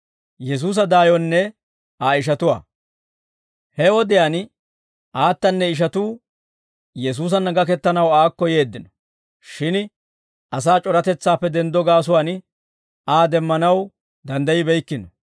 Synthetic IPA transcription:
jɛs̬uːs̬ɐd̪aːjɔnːɛ | aːɪʃ̬ɐt̪ʊwa̰ː | hɛwɔd̪ɪjaːn | ʔaːt̪ːɐnːɛɪʃ̬ɐt̪uː | jɛs̬uːs̬ɐnːɐɡɐkɛt̪ːɐnɐwaːkːɔjeːd̪ːɪnɔ̥ | ʃɪn | ɐs̬aːt͡ʃʼɔɾɐt̪ɛt͡sːaːpːɛd̪ɛnd̪ɔɡaːs̬ʊwaːn | aːd̪ɛmːɐnɐw | d̪ɐnd̪ɐjɪbɛjkːɪnɔ

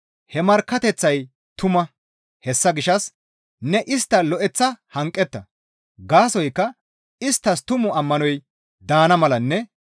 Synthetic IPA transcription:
hɛmɐɾkːɐt̪ɛt͡sːɐj | t̪ʊmɐ | hɛsːɐɡɪʃɐs | nɛʔɪst̪ːɐlɔʔɛt͡sːɐhɐŋkʼːɛt̪ːɐ | ɡaːsɔjkːɐ | ɪst̪ːɐst̪ʊmʊɐmːɐnɔj | d̪aːnɐmɐlɐnːɛ

